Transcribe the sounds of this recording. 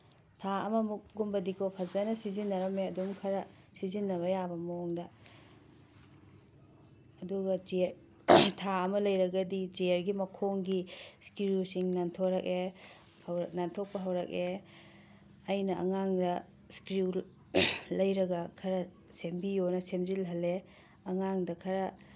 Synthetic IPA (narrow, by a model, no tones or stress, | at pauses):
tʰaɐmɐmuk̚ɡumbɐdikʰopʰɐzɐnɐsizinːɐɾɐmeɐdumkʰɐɾɐ | sizinːɐβɐjabɐmɐoŋdɐ | ɐduɡɐd͡ʒiɾ | tʰaɐmɐlɐjɾɐɡɐdid͡ʒiɾɡimɐkʰoŋɡiskiɾusiŋnantʰokɾɐke | hwɾɐknantʰok̚pɐɦɐwɾɐk̚e | ɐjnɐʔɐ̰ŋaŋdɐ | skɾiw | lɐjɾɐɡɐkʰɐɾɐ | sembijonɐsemzilɦɐle | ɐŋaŋdɐkʰɐɾɐ